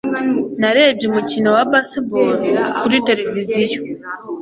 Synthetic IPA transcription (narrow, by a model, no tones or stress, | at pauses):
naɾe̞bjumucinowabasiboɾkuɾite̞ɾevizijo